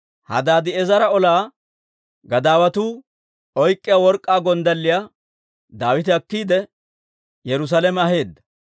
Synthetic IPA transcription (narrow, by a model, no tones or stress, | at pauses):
hɐ̰d̪aːd̪ɪɛzɐɾɐɔlaː | ɡɐd̪aːwɐt̪uː | ɔjkʼːɪjawɔɾkʼːaːɡɔnd̪ɐlːɪja | d̪aːwɪt̪̬ɪɐkːiːd̪ɛ | jɛɾʊs̬aːlɛmɛɐɦe̞ːd̪ːɐ̥